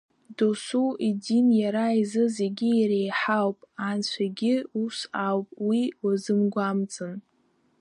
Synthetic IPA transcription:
dosuidinjaɾaizɨze̞ɡʲɪːɾejħawpʼant͡ɕʷʰaɡʲɪusawpʼwiwazɨmɡʷamt͡sʼɨn

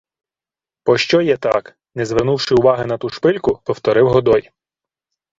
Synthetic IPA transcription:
pɔʃt͡ʃɔjɛt̪ɑk | nɛzʋɛrnuwʃɪʊʋɑɦɪnɐt̪uʃpɪlʲkʊpɔwt̪ɔɾɪwɦɔd̪ɔj

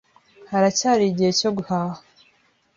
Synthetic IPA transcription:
haɾacaːɾiɟiheco̞ɡuhaːha

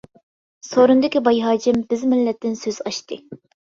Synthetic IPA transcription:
soɾund̪ɪkʲibɑjɦɑːd͡ʒɪmbɪzmɪlːɛt̪ːɪnsøzɑʃt̪ɨ

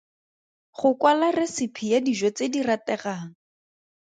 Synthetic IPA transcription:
χʊkwalaresɪpʰijadiʒɔt͡sediratɛχaːŋ̩

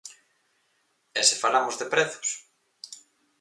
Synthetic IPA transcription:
ɛsefalamozðepɾɛθʊ̥s

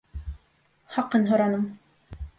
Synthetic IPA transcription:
χɑqɤnɦŏɾɑnɤm

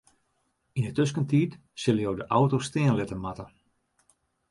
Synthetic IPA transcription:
inətøs̬kəntiːt | sɪləjowdəʔawtostɪənlɪtəmatə

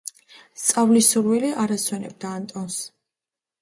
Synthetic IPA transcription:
st̪sʼavlisuɾwiliʔaɾaswɛnɛ̰b̚d̪aːnt̪ʼɔns

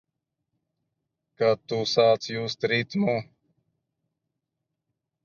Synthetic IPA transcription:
kat̪uːsaːt͡sjust̪ɾiːt̪mũ

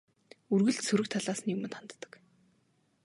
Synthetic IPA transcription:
urɣɘ̆ɮt̪sɵɾɘ̆kt̪ʰaɮaːsə̆njɵmɘ̆nχant̪ːə̥̆k

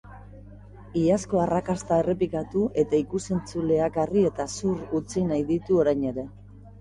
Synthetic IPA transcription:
iasko̞arakast̪ae̞re̞pikat̪uʔe̞t̪aikuse̞nt͡sule̞akarie̞t̪asurut͡sinajðit̪uo̞ɾajɲe̞ɾe̞

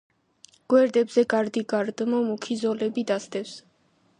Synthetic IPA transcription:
ɡ̥wɛɾd̪ɛbzɛɡaɾd̪iɡaɾd̪mɔmukʰizɔlɛbid̪asd̪ɛfs

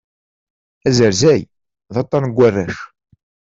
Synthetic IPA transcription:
æzəɾzæj | ðɑt̪ˤːɑnɡʷːærːæʃ

